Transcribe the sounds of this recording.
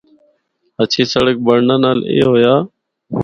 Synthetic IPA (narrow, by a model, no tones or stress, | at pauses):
ət͡ʃʰeːsəɽək̚bəɾnãːnaːlḛːɦoːjaː